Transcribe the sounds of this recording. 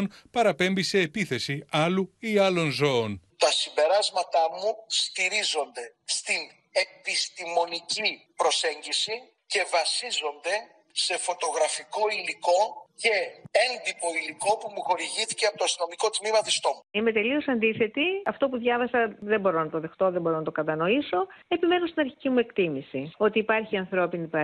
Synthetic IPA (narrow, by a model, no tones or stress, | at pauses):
npɐɾɐpe̞mbise̞ːpiθe̞siɐluiɐlo̞nzo̞ont̪ɐsimbe̞ɾɐzmɐt̪ɐmust̪iɾizo̞nd̪e̞st̪in | e̞pist̪imo̞nicipɾo̞se̞ɲɟisi | ce̞vɐsizo̞nd̪e̞ | se̞fo̞t̪o̞ɣɾɐfiko̞iliko̞ce̞e̞nd̪ipo̞iliko̞pumuxo̞ɾiʝiθi̥ceɐpot̪oɐst̪ino̞miko̞t̪mimɐt̪ist̪o̞muime̞t̪e̞lio̞sɐnd̪iθe̞t̪iɐft̪o̞puðʝɐvɐsɐðe̞bo̞ɾo̞nɐt̪o̞ðe̞xt̪o̞ðembo̞ɾo̞nɐt̪okɐt̪ɐno̞iso̞epime̞nost̪inɐɾçicimue̞kt̪imisio̞t̪iːpɐɾçiɐnθɾo̞pinipɐ